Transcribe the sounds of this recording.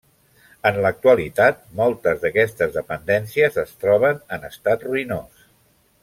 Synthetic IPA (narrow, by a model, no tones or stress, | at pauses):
ənlək̚t̪uəlit̪at̪̚mɔlˠt̪əzðəkɛst̪əzðəpənd̪ɛnsiəzəst̪ɾɔβ̞ənənəst̪at̪ruinos